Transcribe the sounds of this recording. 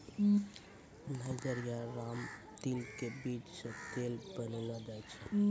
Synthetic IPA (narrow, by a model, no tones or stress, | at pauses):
najd͡ʒəɾijaɾamt̪ilkebid͡ʒsə̃t̪elbəniləd̪ajt͡ʃʰə